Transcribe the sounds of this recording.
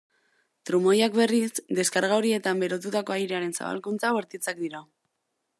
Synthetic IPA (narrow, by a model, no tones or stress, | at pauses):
t̪ɾumo̞jakbe̞risd̪e̞skaɾɣaoɾie̞t̪ambe̞ɾo̞t̪ut̪ako̞ajɾeaɾe̞nsa̰βa̰lkunt͡saβeɾt̪it͡sak̚d̪iɾa